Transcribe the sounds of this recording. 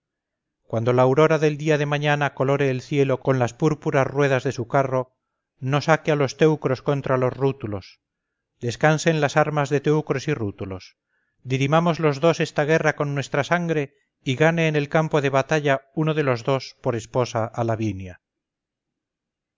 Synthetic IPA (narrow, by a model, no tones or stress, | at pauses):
kwand̪o̞laːwɾo̞ɾaðe̞ld̪iaðe̞maɲanako̞lo̞ɾeːlθje̞lo̞ko̞nlaspuɾpuɾasrwe̞ðazðe̞sukaro̞ | nosakealo̞st̪e̞wkɾo̞sko̞nt̪ɾalo̞zrut̪ulo̞s | d̪e̞skanse̞nlasaɾmazðet̪e̞wkɾo̞sirut̪ulo̞s | d̪iɾimamo̞zlo̞zðo̞se̞st̪aɣ̞e̞rako̞nːwe̞st̪ɾasaŋɡɾe̞ | iɣane̞ːne̞lkampoðe̞β̞at̪aʎaunoðe̞lo̞zðo̞spo̞ɾe̞spo̞saʔalaβinja